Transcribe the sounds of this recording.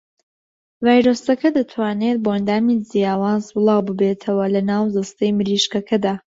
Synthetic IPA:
vaːjɾoːsɐkɐd̪ɐt̪ʰwaːnet̪̚boʔɐnd̪aːmizijaːwaːzbɨlˠɑːwbɨbeːt̪ʰɐwɐlɐnaːwzɐst̪ɐjmɨɾiːʃkɐkʰɐd̪aː

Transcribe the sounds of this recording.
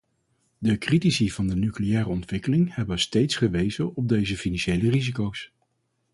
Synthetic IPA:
dəkritisiv̥ɑndənyklijɛːrəɔntʋɪkəlɪŋhɛbənstejtsχəʋejzənɔb̚dejzəfinɑnʃejlərizikows

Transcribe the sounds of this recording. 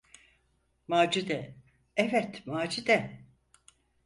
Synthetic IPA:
maːd͡ʒid̪ɛ | ɛvɛt̪maːd͡ʒid̪ɛ

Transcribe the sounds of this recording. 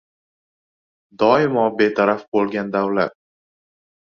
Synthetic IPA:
d̪ɒɪmɒbet̪ʰaɾafbolˠɡʲand̪awla̰t̪̚

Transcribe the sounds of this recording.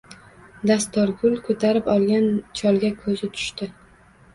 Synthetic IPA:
d̪ast̪ɒɾɡʊlkʰɵt̪ʰaɾɪpɒlˠɡʲant͡ʃʰɒlˠɡʲakʰɵzɪt̪ʰʊ̥ʃt̪ɪ

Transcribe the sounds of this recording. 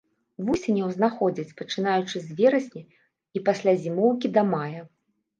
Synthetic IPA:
vusʲenʲɛwznaxɔd͡zʲit͡sʲpɐt͡ʂɨnajut͡ʂɨzʲvʲɛɾɐsʲnʲɛ | ipasʲlʲazʲimɔwk̬ʲid̪ɐmajɐ

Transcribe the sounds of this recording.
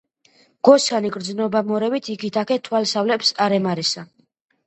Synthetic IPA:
ɡ̥ɔsaniɡɾd̪znɔbamɔɾɛbit̪ʰikʰit̪ʰakʰɛt̪ʰwalsavlɛpsaɾɛmaɾɛsa

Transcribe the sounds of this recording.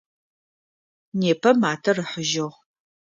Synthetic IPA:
neːpʰɐmaːtʰɐrɨħʊʒɐʁ

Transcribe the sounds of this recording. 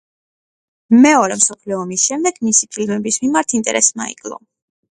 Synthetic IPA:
mɛɔɾɛmsɔpʰlɛɔmisʃɛmd̪ɛɡ̥misipʰilmɛbismimaɾt̪ʰint̪ʼɛ̰ɾʔɛsma̰ḭkʼlˠɔ̰

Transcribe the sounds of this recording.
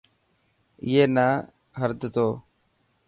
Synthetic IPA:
ɪɦeːnaː | ɦəɾd̪t̪oː

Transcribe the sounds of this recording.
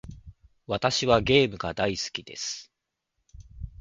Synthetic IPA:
βat̪aɕiβaɡe̞ːmɯ̟ɡad̪aisɨ̥kʲid̪e̞̰sɨ̥

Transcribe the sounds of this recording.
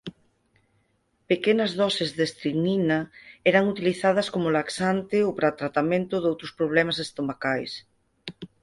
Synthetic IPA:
pekenɐzðɔsezðest̪ɾiɣninɐɛɾɐŋut̪iliθað̞ɐskomʊlaksant̪ɪowpɾat̪ɾat̪amẽnt̪ʊðowt̪ɾʊspɾoβ̞lɛmasest̪omakajs

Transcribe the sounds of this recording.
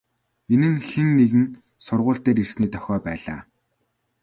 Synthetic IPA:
enɘ̆nxenːeɣɘ̆n | sʊrʁʊːɬt̪eːɾirsniːt̪ʰœ̥xʲɔːpæːɮa̰ː

